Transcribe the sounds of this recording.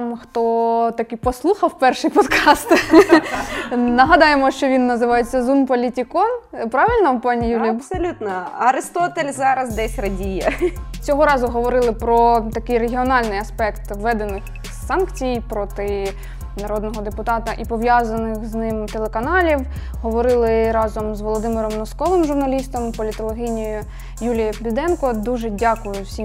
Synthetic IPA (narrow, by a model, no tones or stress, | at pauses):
mxt̪ɔt̪ɐkipɔslˠuxɐwpɛrʃɨjpɔd̪kʰɑst̪ | nɐɦɐd̪ɑjemɔʃt͡ʃɔʋʲinːɐzɪʋɑjet͡sʲːɐzunpɔlʲitʲikɔnpɾɑʋɪlʲnɐpɑnʲijulʲijpsɔlʲut̪nɐɐɾɪst̪ɔt̪elʲzɑɾɐzd̪ɛsʲrɐdʲijɐt͡sʲɔɦɔɾɑzʊɦɔʋɔɾɪlˠɪpɾɔt̪ɐkɪjreɦʲiɔnɑlʲnɪjɐspɛkt̪ʋʋɛd̪enɪx | sɑnkt͡sʲijjpɾɔt̪ɪ | nɐɾɔd̪nɔɦɔd̪epʊt̪ɑt̪ɐʔipɔʋjɑzɐnɪxznɪmt̪elˠekɐnɑlʲiw | ɦɔʋɔɾɪlˠɪɾɑzɔmzʋɔlˠɔd̪ɪmɪɾɔmnɔskɔʋɪmʒʊrnɐlʲist̪ɔmpɔlʲɪt̪ɔlˠɔɦʲinʲijjʊ | julʲijɐbʲid̪ɛnkɔd̪uʒɛdʲɑkʊjʊsʲim